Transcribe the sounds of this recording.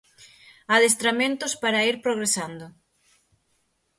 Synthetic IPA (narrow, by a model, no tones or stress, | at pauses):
aðes̬t̪ɾamẽnt̪ʊspaɾaiɾpɾoɣɾesand̪ʊ